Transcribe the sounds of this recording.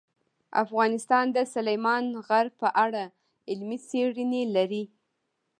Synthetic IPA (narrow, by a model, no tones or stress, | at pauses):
a̰fɣɑnɪst̪ɑnd̪əsʊlajmɑnɣaɾpəʔaɽa | ɪlmit͡seɽənelaɾi